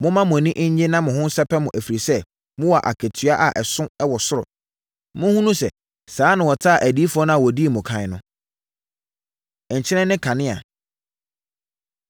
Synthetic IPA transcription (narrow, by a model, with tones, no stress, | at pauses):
mʊ̃˦mã˦mʊ̃˨nĩ˦ʔɲ˦ɲɪ˦nã˦mʊ̃˨hʊ̃˦n˦sɛ˦pʰɛ˦mʊ̃˨ʔæ˨fi˨ɾi˨sɛ˦ | mʊ̃˦wɔ˨a˨ʔa̰˨kʰe˨tʰɥa˦ʔa˨ʔɛ˨sʊ̃˦ɛ˦wɔ˨sʊ˦ɾɔ̰˨ | mʊ̃˦hũ˦nũ˦sɛ˨ | saː˨˦nã˨wɔ˨tʰa˦˨ʔæ˨di˦fʊ˦ɔ˦nʊ̃˦a˨wɔ˨di˦˨mʊ̃˨kʰã˨ɪ˨nʊ̃˦˨ | ɲ̩˨t͡ɕʰɪ˦ɾɛ̃˦nːɪ̃˦kʰã˨nɪ̃˦a̰˨